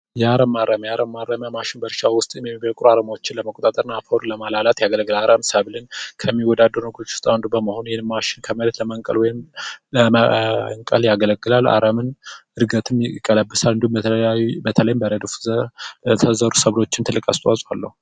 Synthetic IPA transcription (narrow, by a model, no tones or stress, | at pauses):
jaɾəmːarːəmjaɾəmːaɾːəmjamaʃɪnbəɾʃawʊst̪ʼjɛmjɛmːiβəkʼɾuaɾəmawot͡ʃːɪnləməkʼot̪ʼat̪ʼəɾɨnːafoɾuləmalalat̪jaɡələɡɨlaɾəmsəβlɨnkʰəmːiwɔd̪ad̪ːəɾnəɡut͡ʃːu̥st̪ʼawnd̪ubəməho̞njɛhɪnmaʃɪnkʰəməɾət̪ləmaŋkʼə̰lwɔjɪmlə | ŋkʼəljaɡələɡɨlalːa̰ɾəmɨnɨɾɡət̪ʰɨmɪkʼːələbːɨsalɨnd̪uhubət̪ʰələjɪmbəɾəd̪fzət̪ʰəzəɾusəβlo̞t͡ʃːɪnt̪ɨlːɨkʼast̪ʼasʼwa̰lːə̰hu